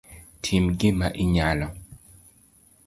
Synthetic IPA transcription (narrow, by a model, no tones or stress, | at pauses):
tʰimɡɪmaʔiɲalɔ